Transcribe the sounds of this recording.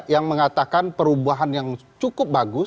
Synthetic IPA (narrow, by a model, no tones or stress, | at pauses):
jaŋməŋat̪akanpəɾubuaɦanjaŋt͡ʃukʊp̚baɡʊ